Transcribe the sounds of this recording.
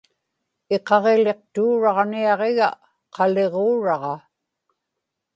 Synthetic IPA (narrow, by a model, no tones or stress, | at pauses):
eqɑʁele̞q̚t̪uːɻɑʁniɑʁeɣa | qɑle̞ʁoːɻɑʁɑ